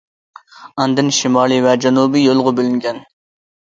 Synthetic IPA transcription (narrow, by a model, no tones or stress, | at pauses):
ɑnd̪ɨnʃimɑːlˠivɛd͡ʒɛnubijolˠʁʊbølyŋɡʲɛn